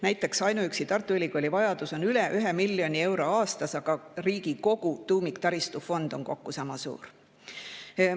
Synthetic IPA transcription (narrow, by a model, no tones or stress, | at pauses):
næjt̪ːˑe̞ksɑjnuyksit̪ɑrt̪ˑːuilʲikolʲivɑjɑd̪̥uso̞nylɛʔyɦemilːjo̞nʲie̞wɾo̞ɑːst̪ɑsɑɡ̥ɑriːɡiko̞ɡ̥ut̪uːmikt̪ɑɾist̪ufo̞nd̪̥o̞ŋko̞kːusɑmɑsṵːr